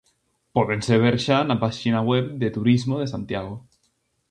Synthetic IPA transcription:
poðenseβ̞eɾʃanapaʃinaweβd̪et̪uɾizmoð̞esant̪jaɣ̞o

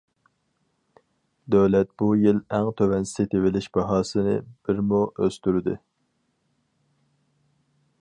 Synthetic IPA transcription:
d̪øwlɛt̪̚bujɪlɛŋt̪ʰøwɛnsɪ̥set̪ʰewɪlɪʃb̥ɑɦɑːsɨnɨ̰b̥ɪɾmuøst̪yɾɪd̪ɪ

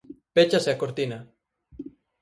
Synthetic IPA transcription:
pet͡ʃaseakoɾt̪ina

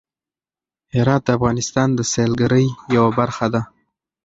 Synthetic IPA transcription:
hɪɾɑt̪̚d̪əafɣɑnɪst̪ɑnd̪əselɡəɾəjjawabaɾxad̪a

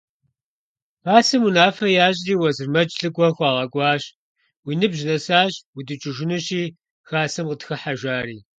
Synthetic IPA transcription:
aːsɐmunaːfɐjaːɕʼriːwɐzɨrmɐt͡ʃʼɬɨkʷʼɔxʷɑːʁɐɡʷʼɑːɕ | wiːnɨbʒɪnɐsaːɕwidɨt͡ʃʼɪʒʷɪnɨɕiː | xaːsɐmqətxɐħaʒʷaːɾiː

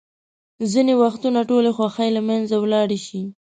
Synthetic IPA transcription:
zinewaxt̪unaʈolexwaxajlamanzawlɑɽeʃi

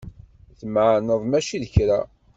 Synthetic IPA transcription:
θəmʕnəðˤmæʃiðəçɾæ

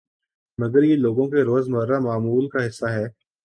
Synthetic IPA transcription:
mɐɡəɾjeloːɡõkeɾoːzmɐɾːamaːmuːlkaɦɪsːaɦɛː

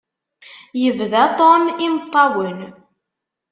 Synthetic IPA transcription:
jəvðæt̪ˤɔnimt̪ˤːɑwən

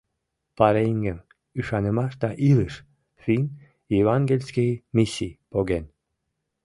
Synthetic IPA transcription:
pɑɾeiŋɡəm | yʃɑnəmɑʃd̪ɑʔiləʃ | finʲ | jevɑŋɡelʲskimisipoɣen

